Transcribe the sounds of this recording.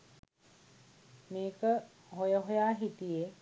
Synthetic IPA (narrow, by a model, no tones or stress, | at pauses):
meːkə | ɦojəɦojaːɦit̪ije